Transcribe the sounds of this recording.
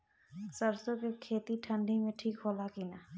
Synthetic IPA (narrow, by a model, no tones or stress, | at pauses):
səɾsõkekʰeːt̪iʈʰə̃ɳɖʱimẽʈʰiːkɦoːlakina